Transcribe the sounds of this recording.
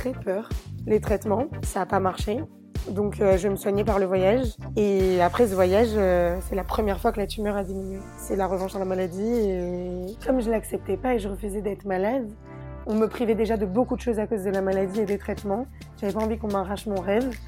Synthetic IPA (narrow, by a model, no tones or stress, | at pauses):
t̪χɛpʰœːʁlet̪χɛt̪mɑ̃saːpamaʁʃe | d̪ɔ̃kʰøʒəməswaɲɛpaʁləvwajaʒeapχɛsəvwajaʒøsɛlapχəmjɛʁfwakəlat̪ymœʁad̪iminɥe | sɛlaʁəvɑ̃ʃd̪ɑ̃lamalad̪iekɔmʒəlaksɛp̚t̪ɛpaeʒəʁəfyzɛd̪ɛt̪χmalad̪ | ɔ̃məpχivɛd̪eʒad̪əbokud̪əʃozakozd̪əlamalad̪ied̪et̪χɛt̪mɑ̃ | ʒ̥avɛpaɑ̃vikɔ̃maʁaʃmɔ̃ʁɛv